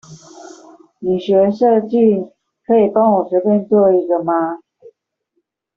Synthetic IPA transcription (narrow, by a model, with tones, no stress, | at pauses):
ni˨˩ɕɥɛ˧˥ʂɤ˥˧t͡ɕi˥˨ | kʰɤ˧˥i˨˩pɑ˦˥ŋwɔ˨˩ɕɥɛ˧˥pjɛ˥˧nt͡swɔ˥˧i˧˥ɡə˧ma˦